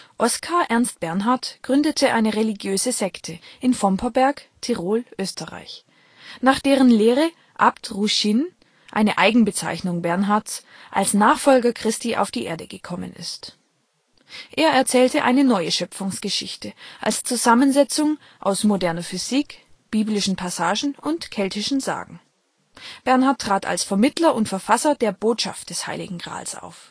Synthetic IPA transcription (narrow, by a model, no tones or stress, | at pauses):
ʔɔskʰaːɐʔɛɐnst̚b̥ɛɐnɦaɐtɡ̥ʁʏndətʰəʔaɪnəʁeliɡjøːzəzɛktʰəʔɪnfɔmpʰɐbɛɐktʰɛʁoːlʔøːstəʁa̰ɪç | naːχd̥eːʁ̞ənleːʁə | ʔaptʁuʃin | ʔa̰ɪnəʔaɪɡŋ̩bət͡sa̰ɪçnʊŋbɛɐnɦaɐts | ʔa̰lsnaːχfɔlɡɐkʁ̥ɪstiːʔa̰ʊfd̥iːʔeːɐdəɡəkʰɔmə̰nɪ̰st | ʔeːɐɛɐt͡sɛːltəʔa̰ɪnənɔʏəʃœpʊŋsɡ̥əʃɪçtəʔa̰lst͡suzamənzɛt͡sʊŋ | ʔa̰ʊsmodɛɐnɐfyz̥iːk | b̥iːblɪʃn̩pʰasaːʒn̩ʊntkʰɛltɪʃn̩za̰ːɡŋ̩ | b̥ɛɐnhaɐtːʁ̥aːtʰa̰lsfɛɐmɪtʰlɐʔʊntfɛɐfasɐdeːɐboːtʃa̰ft̚d̥ɛsha̰ɪlɪ̰ɡŋ̩ɡʁa̰ːlsʔa̰ʊf